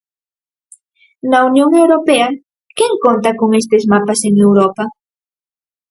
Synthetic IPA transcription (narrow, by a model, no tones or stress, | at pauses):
nɐunjoŋewɾopeɐ | keŋkont̪ɐkoŋest̪ezmapaseŋewɾɔpɐ